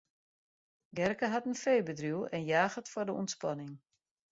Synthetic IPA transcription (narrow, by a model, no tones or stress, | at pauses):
ɡɛrkəɦatənfeːjbədruwɛnjaːxətfɔrdəṵntspanɪŋ